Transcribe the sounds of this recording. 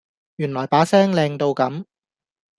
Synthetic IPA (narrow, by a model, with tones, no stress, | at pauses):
jyː˨˩nlɔː˨˩jpaː˨˥sɛː˥ŋlɛː˧ŋt̪o˧wkɐ˨˧˥m